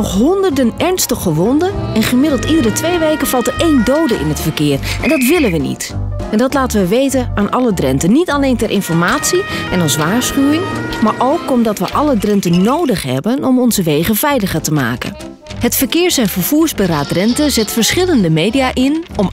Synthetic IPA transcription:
ɔχɦɔndəɹdənɛɹnstəχəʋɔndəɛnχəmɪdəlˠtidərətʋejʋejkəv̥ɑlˠtəejndowdəʔɪ̰nɦətfəɹkɪːrʔɛ̰ndɑtʋɪlənʋənḭt | ɛndɑtlaːtənʋəʋejtənaːnʔɑlədrɛ̰ntənitalejntɛɾʔɪnfɔɹmaːtsiɛnɑsʋaːɹsχywɪŋmaːɹʔowkɔmdɑtʋə̰ʔɑlədrɛntənnːowdəχɦɛ̰bənɔmɔnzəʋejχəvɛjləχəɹtəma̰ːkə̰n | ɦətfəɹkɪːɹsɛnvəɹv̥uːɹzbəraːtrɛntəzɛtfəɹsχɪləndəmejdiaʔɪnɔm

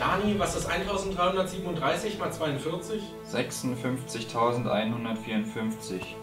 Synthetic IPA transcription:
d̥aːnivasd̥asʔa̰ɪntʰaʊzn̩t̚dʁaɪhʊndɐtz̥iːbm̩ʊntdʁaɪsɪçmaːlt͡sv̥aɪʊntfɪɐt͡sɪç | z̥ɛksʊnfʏnft͡sɪçtʰaʊzn̩tʔa̰ɪnhʊndɐtfiːɐʊntfʏnft͡sɪç

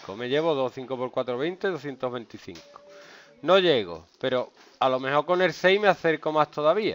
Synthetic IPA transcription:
kome̞ʝe̞β̞oðosθiŋkopoɾkwat̪ɾoβ̞ejnt̪eðoθje̞nt̪oɦβe̞nt̪iθḭŋko̥ | nõ̞ʎe̞ɣo̰pe̞ɾo̞ | alo̞mẽ̞ho̞ɾko̞ne̞lse̞jmeaθe̞ɾko̞mast̪ʰo̞ðaβia̰

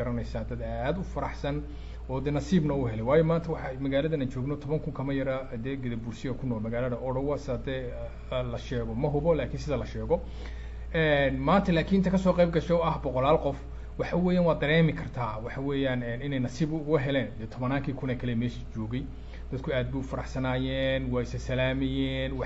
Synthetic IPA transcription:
ɐɾɐnɛjsaːd̪ɐd̪aːd̪ʊfɐɾɑħsɐn | ɔːd̪ɛːnɐsiːbnɐʊɦɛlɛjwaːjɔmaːnt̪ʰɐwɑħɑmɐɣaːlɐðɐnaːnt͡ʃɔːɡnɔt̪ʰɔβɐŋkʰʊŋkʰɐmɐjɐɾɐd̪ɛːɡɪðɐbulsɪjɐkʰʊnɔːlmɐɣaːlɐðɐʔɔɽɐwɐsɪɐd̪ɛː | lɐʃɛːɣɔmɐɦʊβɔlaːkʰinsɪðɐlɐʃɛːɣɔ | ɛnmaːnt̪ʰɐlaːkʰinɪnt̪ɐkʰɐsɔːqejb̚ɡɐʃɛɐɦbɔqɔlaːlqɔf | wɑħɑwɛːjaːnwɑaːd̪ɐɾɛːmɪkʰɐrt̪ʰaːwɑħɑwɛːjaːnɛnɪnɛjnɐsiːbʊɡɐɦɛlɛːnd̪ɛːt̪ʰɔβɐnaːŋkʰiːkʰʊnɛːkʰɐlɛmɛːʃit͡ʃɔːɡɛj | d̪̥ɐd̪kʰʊaːd̪̚buːfɐɾɑħsɐnaːjɛːnwaːɪsɐsɐlaːmɪjɛːnwɑ

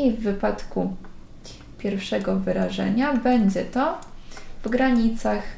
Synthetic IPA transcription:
ivːɘpat̪ku | pʲjɛɾfʂɛɡɔvɘɾaʐɛ̰ɲabɛɲd͡ʑɛt̪ɔ | vɡɾaɲit̪sax

